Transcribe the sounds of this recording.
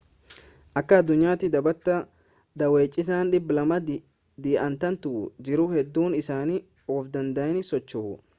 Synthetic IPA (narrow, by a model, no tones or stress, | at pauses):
ʔɐkːɐːd̪ːʊɲːaːt̪ɪd̪ɐbɐt̪ːɐ | d̪ɐwe̞ːt͡ʃʼːɪs̬aːnᶑɪbːɪlɐmɐ | d̪iːʔɐnt̪ɐnt̪ʊd͡ʒɪɾʊhɛd̪ːuːnɪsaːniː | ɔːfd̪ɐnd̪ɐʔɛnɪsɔt͡ʃːʊhʊ